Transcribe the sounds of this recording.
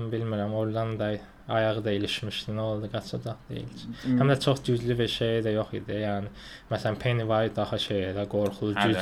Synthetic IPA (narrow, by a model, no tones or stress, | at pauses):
mbilmiɾæmoɾd̪ɑnd̪ɑ | ɑjɑʁɯd̪ɑiliʃmiʃt̪ino̞lˠd̪ɯɡɑt͡ʃʰɑd̪ɑχd̪ḛjḭlt͡ʃʰi̥hæmd̪æt͡ʃʰo̞χd͡ʒyzlybiɾʃejid̪æjo̞χḭd̪ijæːnimæsælæmpʰenivɑd̪ɑhɑʃejæd̪æɡo̞ɾχulˠud͡ʒy